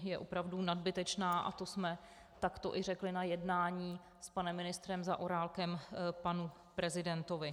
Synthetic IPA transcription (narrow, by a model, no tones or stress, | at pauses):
jɛʔopɾavdunadbɪt̪ɛt͡ʃnaːʔa̰t̪o̞smɛ | t̪akt̪o̞̰ʔɪrɛklɪnajɛdnaːɲiː | spanɛmːɪnɪst̪ɾɛmzaʔoɾaːlkɛmpanu | pɾɛzɪdɛnt̪ovɪ